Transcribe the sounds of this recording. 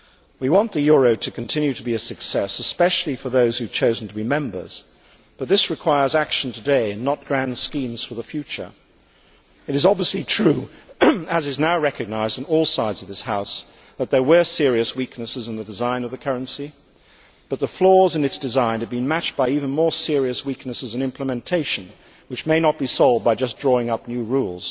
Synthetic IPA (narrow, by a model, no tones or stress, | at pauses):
wiwɑ̃nðɨjʊɹoʊɾɨkn̩tʰɪ̃njʉɾəbiɨsɨksɛsɨspɛʃl̩ˠifə˞ðoʊz̥hʉv̥t͡ʃʰoʊzn̩tʰəbimɛ̃mbə̰˞z̥ | b̥ʌt̪̚ðɪsɹɨkʰw̥aɪə˞zækʃn̩tʰɨdeɪɨ̃nːət̚ɡ̥ɹæ̃ndskĩmz̥fə˞ðəfjʉt͡ʃə̰˞ | ɨɾɨzɑbviəslitʰɹ̥ʉ | ɨzɨznaʊɹɛkɨɡ̚naɪzdn̩ɔlˠsaɪdzʌvðɪshaʊs | ðɨt̪̚ðə˞wə˞sɪɹiɨswiknɨsɨz̃nðɨdɨzãɪ̃nʌvðɨkʰɜ˞ɨ̃nsi | b̥ʌt̪̚ðəflɔɹzɨ̃nɨtsd̥ɨzãɪ̃nɨvbɨ̃nmæt͡ʃ̚b̥aɪivɨ̃n̩mɔɹsɪɹiɨswiknɨsɨzɨ̃nɪ̃mpləmɨ̃ntʰeɪʃɨ̃n | wɨt͡ʃmeɪnət̚b̥isɑʊlˠvd̚baɪd͡ʒʌsdɹɔɪ̃ŋʌp̚njʉɹulˠz̥